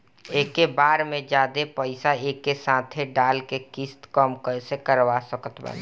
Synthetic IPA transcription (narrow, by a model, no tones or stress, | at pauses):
eːkːebaːɾmẽd͡ʒaːd̪epəɪsaeːkːesãːt̪ʰeɖaːlkekist̪kəmkəsekəɾʋasəkət̪bə̰n